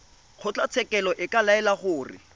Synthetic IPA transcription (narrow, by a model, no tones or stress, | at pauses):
q͡χʰʊt͡ɬat͡sʰɛkɛlɔʔɪkalaɛlaχʊːrɪ̰